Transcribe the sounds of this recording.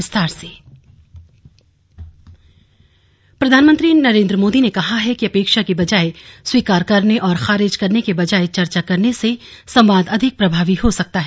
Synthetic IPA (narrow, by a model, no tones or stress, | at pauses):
ɪst̪aːɾseː | pɾɐd̪ʱaːnmə̃nt̪ɾinɐɾẽːnd̪ɾəmoːd̪inekɐɦaɦɛkiɐpeːkʃakibɐd͡ʒaːeswiːkaːɾkɐɾneʔɔːɾxaːɾɪd͡ʒkɐɾnekebɐd͡ʒaːet͡ʃɐɾt͡ʃakɐɾnese | sɐ̃mʋaːnd̪ɐd̪ʱɪk̚pɾɐbʱaːʋihosɐk̚t̪aɦɛ